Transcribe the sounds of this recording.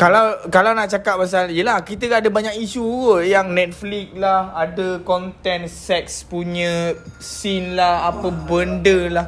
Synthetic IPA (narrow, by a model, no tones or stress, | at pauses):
kalawkalawnaʔt͡ʃakap̚mas̬aljəlahkit̪əɡaadəbaɲak̚isuwəjaŋnɛt̪̚flik̚lahadəkɔnt̪ɛnsɛk̚spuɲə̃sinlahapəbəndəlah